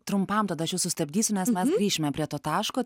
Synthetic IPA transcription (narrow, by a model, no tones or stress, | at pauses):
t̪ɾʊmpɐmt̪ɐd̪ɐɐʃjɛʊsʊsʲt̪ɐbʲd̪ʲiːsʲʊnʲɛsmʲɛsɡɾʲiːʃʲɪmʲɛpʲɾʲiɛt̪oːt̪ɑːʃkoː